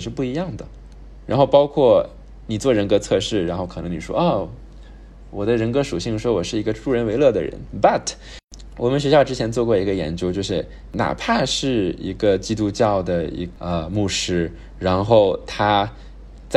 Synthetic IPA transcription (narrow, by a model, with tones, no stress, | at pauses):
ʂɻ̩˥˧pu˥˩i˧˥jɑ˥˩ŋd̪ə˩ | ɻa˧˥nxo˥˩ʊpɑ˥ʊkʰwɔ˥˩ | ni˨˩t͡swɔ˥˩ɻə˧˥nkɤ˧˥t͡sʰɤ˥˧ʂɻ̩˥˩ɻa˧˥nxo˥˩ʊkʰɤ˨˩nɤ˧˥ŋni˨˩ʂwɔ̰˥ɐ˥˩ | wɔ˨˩d̪ə˦ɻə˧˥nkɤ˥ʂu˨˩ɕi˥˩ŋʂwɔ˥wɔ˨˩ʂɻ̩˥˩i˧˥ɡə˧ʈ͡ʂu˥˩ɻə˧˥nwe˧˥ɪlɤ˥˩d̪ə̰˩ɻə̰˧˥npa˥˩tʰ | wʔɔ̰˨˩mə˦nɕɥɛ˧˥ɕjɑ˥˧ʊʈ͡ʂɻ̩˥t͡ɕʰjɛ˧˥nt͡swɔ˥˧kwɔ˥˩i˧˥ɡə˧jɛ̰˧˥nt͡ɕjo˥ʊt͡ɕjo˥˧ʊʂɻ̩˥˩ | na̰˨˩pʰa˥˧ʂɻ̩˥˩ḭ˧˥ɡə˧t͡ɕi˥t̪̬u˥t͡ɕjɑ˥˩ʊd̪ə˩ḭ˧˥ə˧mu˥˩ʂɻ̩˥ | ɻa˧˥nxo˥˩ʊt̪ʰa˥ | t͡s